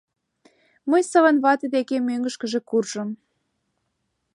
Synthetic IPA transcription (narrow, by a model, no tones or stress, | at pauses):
məjsɤβənβɑt̪ed̪ekemøŋɡəʃkə̆ʒĕkurʒ̥ə̆m